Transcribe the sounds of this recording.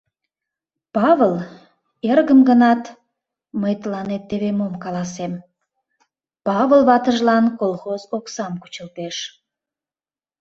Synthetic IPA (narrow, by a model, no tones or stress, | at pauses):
pɑβəl | erɣəmɡənɑt̪ | məjt̪əlɑnet̪ːeβemomkɑlˠɑsem | pɑβəlˠβɑt̪əʒlɑnkolxozoksɑmku̥t͡ɕə̆lt̪eʃ